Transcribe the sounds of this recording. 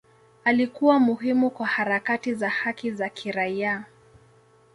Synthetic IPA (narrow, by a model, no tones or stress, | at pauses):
alikuwamuɦimukwahaɾakatizahakizakʰiɾaia